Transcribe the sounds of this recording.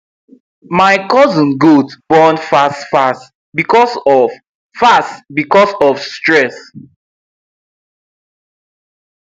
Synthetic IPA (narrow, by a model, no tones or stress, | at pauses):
maɪkɔzɔ̃nɡudb̥ɔ̃nfastfast | bikɔsɔ | fastbikɔsɔfstɹɛs